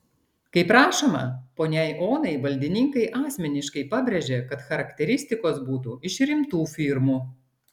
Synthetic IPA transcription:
kɐɪpɾɑːʃoːmɐ̰poːnʲɛɪʔoːnɐɪʋɐlʲd̪ʲɪnʲɪŋkɐɪʔɑːsʲmʲɛnʲɪʃkɐɪpɑbʲɾʲɛʒʲeːkɐt̪xɐɾɐkʲt̪ʲɛɾʲɪsʲt̪ʲɪkoːsbuːt̪uɪʃɾʲɪmt̪uːfʲɪɾmuː

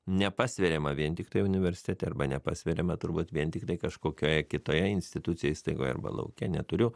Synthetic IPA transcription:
nʲɛpɑːsʲʋʲɛɾʲeːmɐʋʲiɛnt̪ʲɪkt̪ɐɪjʊnʲɪʋʲɛɾʲsʲɪ̥t̪ʲɛːt̪ʲɛɐɾbɐnʲɛpɑːsʲʋʲɛɾʲemɐt̪ʊɾbuːt̪ʋʲiɛnt̪ʲɪkt̪ɐɪkɐʃkoːkʲoːjɛkʲɪt̪oːjɛɪnʲsʲt̪ʲɪt̪ʊt̪sʲɪjɛjiːst̪ɐɪɡoːjɛɐ̰ɾbɐ̰lˠɐ̰ʊkʲɛnʲɛt̪ʊɾʲʊ

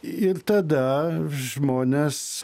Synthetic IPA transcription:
ɪɾt̪ɐd̪ɐʒmoːnʲes

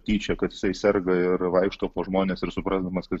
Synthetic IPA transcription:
t̪ʲiːt͡ʃʲɛkɐt̪jɪ̥sɐɪsʲɛrɡɐɪɾʋɐɪkʃt̪oːpoːʒmoːnʲeːsɪɾsʊpɾɑːzd̪ɐmɐskɐt̪

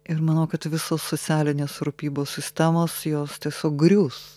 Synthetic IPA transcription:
ɪɾmɐnɐʊkɐt̪ʋʲɪsoːsːoːtsʲæːlʲɪnʲeːsɾʊpʲiːboːsʲsʲɪsʲt̪ʲæmoːsjoːst̪ʲiɛsʲoːk̚ɡɾʲuːs

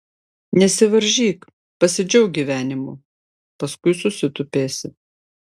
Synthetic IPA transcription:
nʲɛsʲɪʋɐɾʲʒʲiːk | pɐsʲɪd͡ʒʲɛʊɡʲiʋʲæːnʲɪmuː | pɐskʊɪsʊsʲɪt̪ʊpʲeːsʲɪ

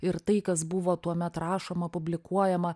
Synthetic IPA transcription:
ɪɾt̪ɐɪkɐs̬bʊʋoːt̪uɔmʲɛt̪ɾɑːʃoːmɐpʊbʲlʲɪkuɔjɛmɐ

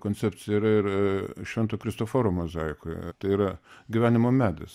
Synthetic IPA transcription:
koːnʲt͡s̪ʲsʲæpʲt͡ssʲɪjɛiɾɐɪɾʃʲʋʲɛnt̪oːkɾʲɪst̪oːfoɾoːmozɑɪkojt̪ɐɪiːɾɐɡʲɪʋʲæːnʲɪmoːmʲæːd̪ɐs

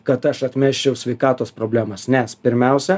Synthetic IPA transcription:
kɐt̪ɐʃɐt̪ʲmʲæːʃʲt͡ʃʲɛʊsʲʋʲɛɪkɑːt̪oːspɾoːbʲlʲæːmɐsnʲɛspʲɪɾʲmʲɛˑʊsʲɛ

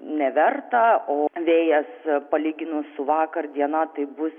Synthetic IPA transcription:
nʲɛʋʲɛrt̪ɐoːʋʲeːjɛspɐlʲiːɡʲɪnʊsʊʋɑːkɐrd̪ʲiɛnɐt̪ɐɪbʊs

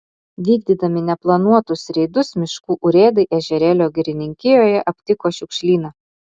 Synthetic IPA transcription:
ʋʲiːɡd̪ʲiːd̪ɐmʲɪnʲɛplˠɐnuɔt̪ʊsɾʲɛɪd̪ʊsmʲɪʃkuːʔʊɾʲeːd̪ɐɪʔɛʒʲɛɾʲɛlʲoːɡʲɪɾʲɪnʲɪŋʲkʲɪjoːjɛʔɐpʲt̪ʲɪkoːʃʲʊkʃʲlʲiːnɐ

